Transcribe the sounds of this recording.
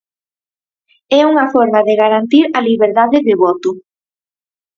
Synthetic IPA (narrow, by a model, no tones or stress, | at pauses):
ɛuŋɐfɔɾmaðeɣaɾant̪iɾɐliβeɾðaðɪðɪβɔt̪ʊ